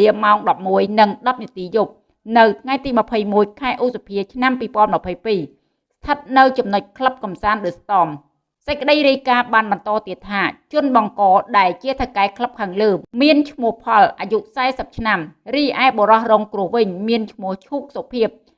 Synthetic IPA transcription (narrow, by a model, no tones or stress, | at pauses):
iəmːaɔŋɗɑp̚muəjnɨŋɗɑp̚nĭət̪iːjup̚ | nɨwt̪ʰŋajt̪iːmə̆pʰəjmuəjkʰaɛʔusapʰiət͡ɕʰnampiːpŏənməpʰəjpiː | st̪ʰət̪̚nɨwt͡ɕɑmnoc̚kʰləp̚kɑmsaːnɗɨːst̪ɑːm | səc̚kə̆ɗəjɾiəjkaːɓaːnɓɑnt̪ɑːt̪iət̪ʰːaːt͡ɕʊ̆ənɓɑŋkɑːɗaɛlt͡ɕiət̪ʰakaɛkʰləp̚kʰaːŋləːmiənt͡ɕʰmʊ̆əhhpʰɑlʔaːjuʔsaɛsəp̚t͡ɕʰnamriːʔaɛɓoɾɑhrɔːŋkrŭəhʋɨɲmiənt͡ɕʰmʊ̆əht͡ɕʰuːk̚sopʰiəp̚